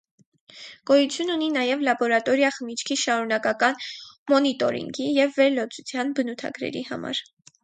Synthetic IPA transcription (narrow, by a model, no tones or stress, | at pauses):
kɔjut͡sʰjununinɑjɛvlɑbɔɾɑt̪ɔɾjɑχəmit͡ʃʰkʰiʃɑɾunɑkɑkɑnmɔnit̪ɔɾḭŋɡijɛvːɛɾlɔt͡sut͡sʰjɑnbənut̪ʰɑ̰ɡɾɛ̰ɾḭhɑ̰mɑ̰ɾ